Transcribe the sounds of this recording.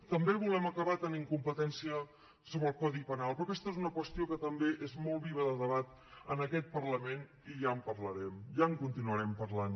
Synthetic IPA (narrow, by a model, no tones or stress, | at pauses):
t̪əmbeβ̞ulɛməkəβat̪əniŋkumpət̪ɛnsiə | soβɾəlˠkɔðipənalˠpɾɔkɛst̪əezunəkwəst̪iokət̪əmbeʔezmɔlˠβiβ̞əðəðəβat̪ | ənəkɛt̪̚pəɾləmen | iʒaəmpəɾləɾɛmʒaəŋkunt̪inuəɾɛmpəɾlan